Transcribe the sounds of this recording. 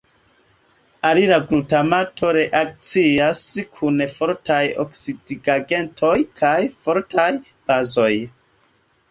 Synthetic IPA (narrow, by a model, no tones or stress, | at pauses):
aliɾaɡɾutamatʰo̞ɾe̞ʔak̚t͡siaskʰunfo̞ɾtʰajo̰ksidiɡaɡe̞ntʰo̞jkʰajfoɾtʰaj | b̥azo̞j